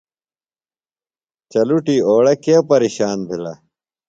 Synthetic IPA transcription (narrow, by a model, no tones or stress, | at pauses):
t͡ɕɐluʈiːoːɽɐkiɐpɐɾiːɕaːnbʱilɐ̰